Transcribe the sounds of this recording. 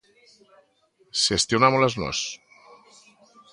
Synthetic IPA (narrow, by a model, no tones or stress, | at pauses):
sest̪jonamoleznɔ̰s